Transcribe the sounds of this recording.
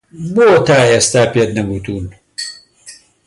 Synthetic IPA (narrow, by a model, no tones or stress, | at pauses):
boːt̪aːeːst̪aːpeːt̪̚nɐbuːt̪uːn